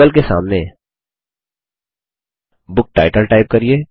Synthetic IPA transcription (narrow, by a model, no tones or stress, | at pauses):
əlkesa̰ːmne | bʊk̚ʈaːɪʈəlʈaːɪp̚kɐɾieː